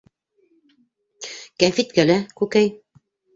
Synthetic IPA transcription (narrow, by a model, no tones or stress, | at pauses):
kæmfit̪kælækʉkæj